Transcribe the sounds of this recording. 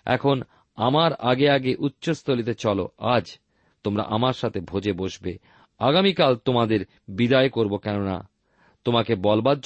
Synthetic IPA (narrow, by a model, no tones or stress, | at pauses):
ɛ̰kʰon | amaɾaɡeaɡeʔutːɕost̪olit̪̬et͡ɕɔlo̰ad͡ʑ | t̪omɾa̰ʔamaɾʃat̪ʰebʱod͡ʑeboʃbe | aɡamikalt̪omad̪eɾ | bid̪aekoɾbokɛnona̰ | t̪omakebɔlbad̪̚d͡ʑ